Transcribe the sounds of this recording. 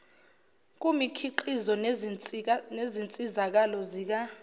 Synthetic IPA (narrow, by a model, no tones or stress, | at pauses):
k̬ʼumikʰiǃizɔ | nezint͡sʼizak̬alɔziːk̬a